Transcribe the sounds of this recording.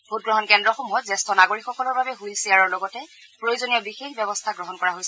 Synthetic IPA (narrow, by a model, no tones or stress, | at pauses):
b̥ʱut̚ɡɹɔɦɔnkɛndɹɔxɔmuɔtzɛstʰɔnaɡoɹikxɔkɔlɔɹbabɛɦujlsiaɹɔɹlɔɡɔtɛ | pɹojizonijɔbixexbɛbɔstʰaɡɹɔɦɔnkɔɹaɦojsɛ